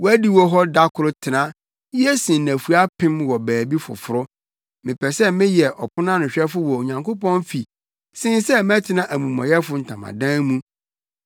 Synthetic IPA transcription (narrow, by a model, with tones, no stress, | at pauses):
wɔ˦æ˦di˦wɔ˦ɦɔ˦da˦kʰʊ˨ɾʊ˦tʰɪ˨nã˦ | i˦ɛ˦sĩ˨n˨næ̃˨fu˨a˦pʰɪ̃˦mwɔ˨bæː˨bi˦fʊ̰˨fʊ˨ɾʊ˦ | mɪ̃˨pʰɛ˨sɛ˦mɪ̃˦jɛ˨ʔɔ˨pʰʊ˦nã˦nʊ̃˨ɕᶣɛ˦fʊ˦wɔ˨ɲã˨ŋkʰo˦pɔ̃˦n˦fi˨ | sɪ̃˦n˦sɛ˦mɛ̃˦tʰɪ˦nã˦ʔæ˨mũ˨mɔ̰̃˨jɛ˦fʊ˦n̩˨tʰã̰˨mã̰˨dã˦mũ˦